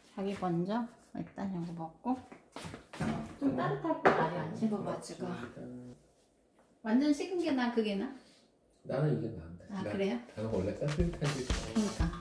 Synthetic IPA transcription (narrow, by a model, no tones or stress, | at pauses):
t͡ɕaɡipʌnd͡ʑʌ | ḭt͈aɲʌɡopʌk̚k͈o | t͡ɕ͈omt͈aɾɯtʰak͈omaɾiant͡ɕʰiɡʌkat͡ɕ͈ʰiɡa | wand͡ʑʌnɕʰiɡɯnɡenakɯɡena | nanɯniɡemaɯndaakɯɾe̞joanɯnwʌɭːek͈asʰɯtʰad͡ʑiɯɲikʰa